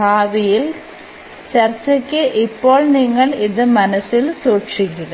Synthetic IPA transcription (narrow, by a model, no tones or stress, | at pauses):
aːʋijil | t͡ɕɐrt͡ɕːɐkʲːɨʔipːo̞ːɭniŋːɐɭiðɨmɐnɐsilsuːʈʂik̬ʲːuɣɐ